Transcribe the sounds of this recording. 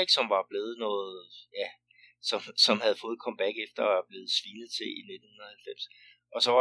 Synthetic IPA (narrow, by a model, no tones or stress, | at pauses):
ɡ̥sɒ̽mʋɑ̈b̥le̝ːð̞̩ˠnɔ̽ːð̩ˠjæ | sɒ̽msɒ̽mhæð̞̩ˠfɔ̽ːð̩ˠkʰɒ̽mb̥æɡ̥efd̥ɐɒæɐb̥le̝ːð̞̩ˠsʋiːnð̩ˠt͡sʰe̝line̝d̥n̩hunɐð̩ˠhælfem̰s | ɒ̽sɒʋɑ